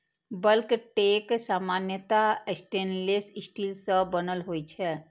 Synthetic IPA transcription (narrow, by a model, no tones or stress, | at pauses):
bəlkʈeksamanjət̪aesʈenlesɪsʈilsə̃bənəlɦojt͡ʃʰɛ